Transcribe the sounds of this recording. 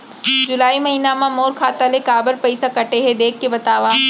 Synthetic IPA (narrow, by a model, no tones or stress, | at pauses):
d͡ʒʊlaːimɐɦiːnamãmoːɾkʰaːt̪alekaːbəɾpɐɪsakɐʈeɦed̪eːkʰːebɐt̪aːʋaː